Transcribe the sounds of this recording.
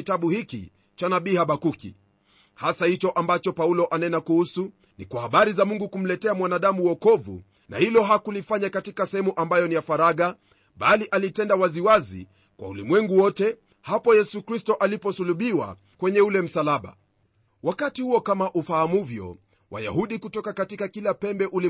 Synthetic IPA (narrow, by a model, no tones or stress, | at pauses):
itaɓuhikḭ | t͡ʃanaɓihaɓakukḭ | hasahit͡ʃɔʔambat͡ʃɔpaulɔʔanɛnakuhusu | nikwahaɓaɾizamuŋɡukum̩lɛtɛamwanaɗamuwɔkɔvṵ | na̰hilɔɦakulifaɲakatikasɛhɛmuʔambajɔnijafaɾaɠa | ɓaliʔalitɛndawaziwazḭ | kwa̰ulimwɛŋɡuwɔtɛ | hapɔjɛsukɾistɔʔalipɔsuluɓiwa̰ | kwɛɲɛulɛm̩salaɓa̰ | wakatihuɔkamaʔufahamuvjɔ̰ | wa̰ja̰huɗikutɔkakatikakilapɛmbɛʔuli